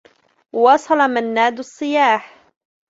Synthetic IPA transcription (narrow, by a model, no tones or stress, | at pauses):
wɑsˤɑlɑmanːaːd̪ɑsˤːɨjaːħ